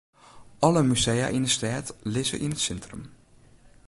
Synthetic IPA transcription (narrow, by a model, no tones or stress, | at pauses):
ʔɔləmyzeja̰ʔindəstɛːtlɪzə̰ʔinətsɛntrə̰m